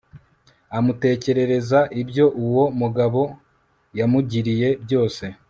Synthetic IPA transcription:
amute̞ːce̞ɾe̞ɾe̞zaʔibɟo̞ʔuwo̞muɡaβo̞ | jamuɟiɾije̞bjo̞ːse̞

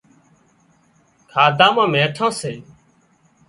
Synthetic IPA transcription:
kʰaːd̪ãːmãːmẽːʈʰãːseː

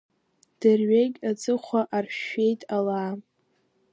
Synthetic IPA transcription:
d̥ɨrɥeɡʲat͡sʼɨχʷaʔarʃe̞jtʼalaː

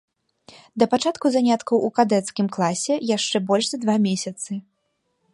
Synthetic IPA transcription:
d̪ɐpat͡ʂat̪kuzanʲat̪kɐwʔukad̪ɛt̪skʲimklˠasʲɛjaʂt͡ʂɛbɔlʲʐzɐd̪vamʲesʲɐt̪sɨ

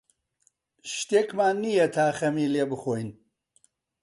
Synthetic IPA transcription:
ʃt̪eːkmaːnnːijɐt̪ʰaːxɐmiːleːbɨxoːjn

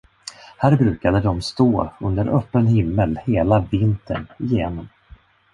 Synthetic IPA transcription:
hæːɾbɾʉ̟ːkad̪əd̪ɔmst̪oːɵnd̪əɾʔœpːənhɪmːəlheːlavɪnt̪ʰə̰ɳɪjeːnɔm

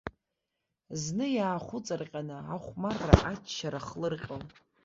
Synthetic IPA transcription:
znɨjaːχʷʊt͡sʼɨrqʲʼanɨaχʷmarːa̰ʔat͡ʃʰʃaɾaχlɨrqʲʼom

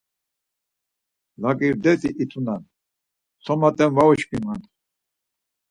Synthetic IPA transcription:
lakʼiɾd̪ɛt̪ʼiʔit̪ʰʼunan | sʰɔmat̪ʼɛnvaɔt͡ʃpimant̪

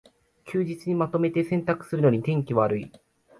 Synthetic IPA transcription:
kʲɨːʑit͡sɨɲ̟imat̪o̞me̞t̪e̞sẽ̞nt̪akɯ̟̥sɨɾɯ̟no̞ɲ̟it̪ẽ̞ŋkʲiβaɾɯ̟i

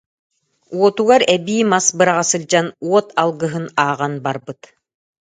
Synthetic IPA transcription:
uɔt̪uɡaɾɛbiːmasbɯɾaʁasɯlʲd͡ʑanuɔt̪ʰalˠɡɯɦɯnaːʁanbaɾbɯt̪

